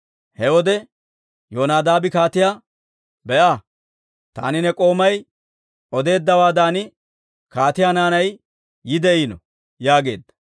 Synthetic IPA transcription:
hɛwɔd̪ɛ | joːnaːd̪aːbɪkaːt̪ɪjaː | bɛʔaː | t̪a̰ːnɪnɛkʼo̞ːmɐj | ɔd̪e̞ːd̪ːɐwaːd̪aːnɪ | kaːt̪ɪjaːnaːnɐjː | ɪd̪ɛiːnɔ | jaːɡe̞̰ːd̪ːɐ̥

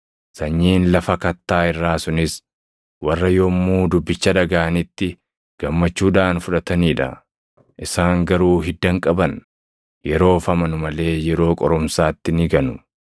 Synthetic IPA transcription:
sɐɲːiːnlɐfɐkɐt̪ːaːɪrːaːsʊnɪs | wɐrːɐjɔmːuːd̪ʊbːɪt͡ʃːɐᶑɐɡaːɐnɪt̪ːɪ | ɡ̥ɐmːɐt͡ʃːuːᶑaːnfʊᶑɐt̪ɐniːᶑɐ̰ | ʔɪsaːŋɡɐɾuːɦɪd̪ːɐŋkʼɐbɐn | jɛɾo̞ːfɐmɐnʊmɐle̞ːjɛɾo̞ːkʼɔɾɔmsaːt̪ːɪnɪɡɐnʊ

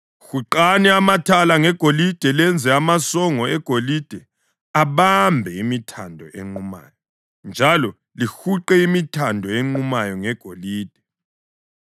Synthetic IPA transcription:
xuǃanɛamatʰalaŋɛɡ̥ʱolid̥ʱɛlɛnd͡zʱɛamasɔŋɔɛɡ̥ʱolid̥ʱɛ | aβambʱɛimitʰandʱɔ̰ʔḛŋ͡ǃuma̰ːjɔ | nd͡ʒʱalɔ | lixuǃɛimitʰandʱɔeŋ͡ǃumajɔŋɛɡ̥ʱoliːd̥ʱɛ

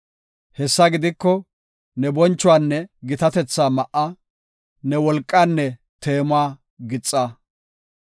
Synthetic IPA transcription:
hɛsːɐɡɪd̪ɪkːɔ | nɛbɔnt͡ʃːʊwaːnːɛɡɪt̪ɐt̪ɛt͡sːaːmɐʔɐ | nɛwɔlkʼːaːnːɛ | t̪e̞ːmʊaː | ɡɪt͡sʼːa

